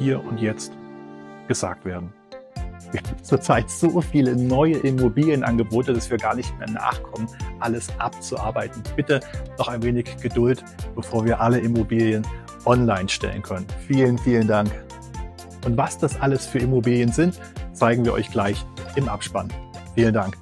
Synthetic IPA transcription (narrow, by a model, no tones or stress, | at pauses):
hiːɐʔʊntjɛt͡st | ɡ̥əza̰ːk̚tv̥eːɐdn̩ | vibɪnt͡suːɐt͡saɪtz̥oːfiːlənɔʏəʔɪmobiːljənʔanɡəboːtəd̥asv̥iːɐɡaːɐnɪçtmeːɐna̰ːχkʰɔmənʔaləsʔap̚t͡suʔa̰ɐbaɪtn̩b̥ɪtənɔχaɪnveːnɪçɡ̥ədʊlt | b̥əfoːɐviːɐʔaləʔɪmobiːljən | ʔɔnlaɪnʃtɛ̰lə̰nkʰœnənfiːlənfiːləndaŋk | ʔʊntv̥asd̥asʔaləsfyːɐɪmobiːljənzɪnt | t͡saɪɡŋ̩viːɐʔɔ̰ʏçɡ̥laɪçʔɪmʔapʃpa̰nfiːləndaŋk